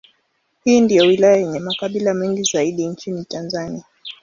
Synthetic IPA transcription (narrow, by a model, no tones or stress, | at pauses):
hiːndijɔwilajajɛɲɛmakaɓilamɛŋɡizaiɗint͡ʃinitanzania